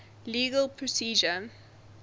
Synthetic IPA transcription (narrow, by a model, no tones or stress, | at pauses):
liːɡəlˠpʰɹɔsiːd͡ʒə